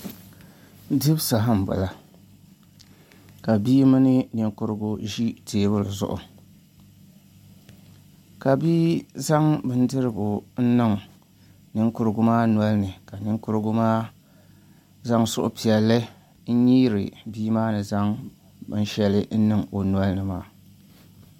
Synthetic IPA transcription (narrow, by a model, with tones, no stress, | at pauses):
dɨ˦bsa˨ɦa˦m̩˨bʊ̰˨la˨ | ka˨biː˦ma˦nɨ˦nɨ˨ŋkʊ˦ɾɨ˦ɡʊ˦ʒi˦teː˨bʊ˦lɨ˨zʊ̰˨ʔʊ̰˨ | ka˨biː˦za˦ŋbɨ˦n˦dɨ˦ɾɨ˦ɡʊ˨n̩˦nɨ˦ŋ | nɨ˦ŋkʊ˦ɾɨ˦ɡʊ˦maː˦nwɔ˦lnɨ˨ka˨nɨ˦ŋkʊ˦ɾɨ˦ɡʊ˦ma˦ | za˦ŋsʊ̰˦ʔʊ̰˦pi˨ɛ˨lːɨ˦ | n̩˦ɲiː˦ɾɨ̰˨biː˦maː˦nɨ˨za˦ŋ | bɨ̰˦n˦ʃɛ˦lɨ˦n̩˦nɨ˦ŋo˨n˨ɔ˦lnɨ˨maː˨